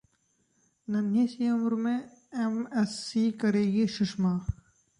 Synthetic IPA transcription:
nɐnisiʊmɾmẽ | emɛsːiːkɐɾeːɡiʃʊʃmaː

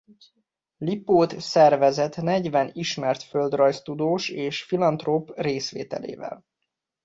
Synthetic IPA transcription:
lipoːt̪sɛrvɛzɛt̪nɛɟvɛniʃmɛrt̪føld̪rɒjst̪ud̪oːʃeːʃfilɒnt̪roːpreːsʋḛːt̪ɛ̰lḛːvɛ̰l

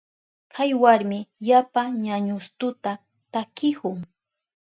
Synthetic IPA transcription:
kʰajwaɾmɪʎapaɲaɲʊst̪ʊt̪a | t̪akɪkʊŋ

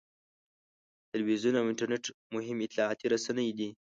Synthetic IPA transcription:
t̪ɪlwizjunawɪɳʈaɾneʈmʊɦɪmɪt̪lɑat̪iɾasanəjd̪i

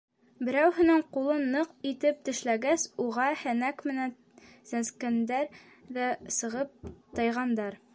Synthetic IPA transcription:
bɘ̆ɾæwɦɘ̆nɘɴqulˠɤnːɤqit̪ɘp̚t̪ɘ̆ʃlæɡæsuʁɑhænækmɘ̆næn | sænskænd̪æɾ | ðæsɤ̆ʁɤp̚t̪ɤ̆jʁɑnd̪ɑɾ

